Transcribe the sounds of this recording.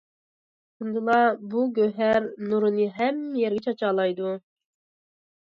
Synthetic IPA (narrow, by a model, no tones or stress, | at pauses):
kʰund̪ɨlˠɑbuɡʲøɦæɾnuɾɨnɨɦɛmːɛjɛɾɡʲɛt͡ʃʰɑt͡ʃɑːlˠɑjd̪u